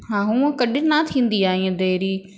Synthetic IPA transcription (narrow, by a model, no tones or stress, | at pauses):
ɦãːɦũkəɗinat̪ʰĩːnd̪iːaːɦĩẽd̪eːɾiː